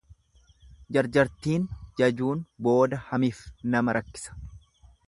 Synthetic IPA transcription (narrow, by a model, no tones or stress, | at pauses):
d͡ʒɐɾd͡ʒɐɾt̪iːnd͡ʒɐd͡ʒuːnbo̞ːd̪ɐhɐmɪfnɐmɐɾʔɐkːɪ̥sɐ̥